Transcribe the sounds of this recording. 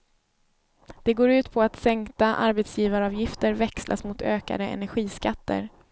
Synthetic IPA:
d̪̥ɛɡoːɾʉ̟ːt̪pʰɔat̪sɛŋkt̪aʔa̰ɾbɛt̪sjiːvaɾɑːvjɪft̪əɾvɛkslʔa̰smʊt̪ʰøːka̰d̪əɛ̰næɾɧiːskat̪ːə̰ɾ

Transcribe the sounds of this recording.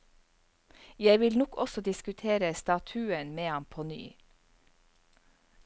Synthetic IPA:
jæɪʋɪlnɔkɔsɔd̪ɪskʉt̪ʰeːɾəst̪ɑt̪ʰʉːənmeːhɑmpʰony̰ː

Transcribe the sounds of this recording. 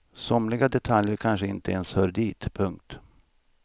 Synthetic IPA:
sɔmlɪɡad̪ɛt̪ʰaljəɾkʰanʂəɪnt̪əenshœːɾd̪iːt̪pʰɵŋk̚t̪

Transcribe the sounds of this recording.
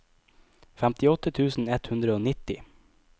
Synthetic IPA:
fæmt̪ɪɔt̪ət̪ʰʉːsn̩ɛt̪hʉnd̪ɾəoːnɪt̪ɪ

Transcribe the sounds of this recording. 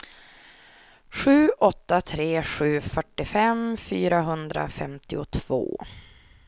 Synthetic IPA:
ɧʉ̟ːʔɔt̪ːat̪ʰɾeːɧʉ̟ːfœʈːɪfɛmfyːɾaɦɵnd̪ɾa̰fɛmt̪ɪʊt̪ʰv̥o̰ː

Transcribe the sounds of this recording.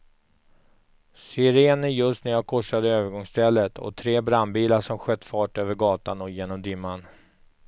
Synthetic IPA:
sʏɾeːnəjɵst̪næɾjaːkʰɔʂad̪əøːvəɾɡɔŋst̪ʰɛlːət̪ʰɔ̰t̪ʰɾeːbɾanbiːlaʂɔmɧœt̪ːfɑːʈøːvəɾɡɑːt̪anɔjeːnɔmd̪ʏmːan

